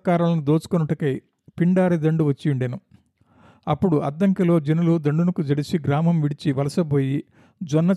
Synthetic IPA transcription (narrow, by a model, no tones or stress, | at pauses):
kaːɾɐlɐnud̪oːt͡ʃu̥kɔnɐʈukɐj | piɳɖaːɾid̪ɐɳɖuʋɐt͡ʃːiiɳɖenu | ɐpːuɽuʔɐd̪ːɐŋkɐlo̞ːd͡ʒɐnulud̪ɐɳɖunɐkud͡ʒɐɽisiɡɾaːmɐmʋiɽit͡ʃiʋɐlɐsɐboːji | d͡ʒɔnːɐ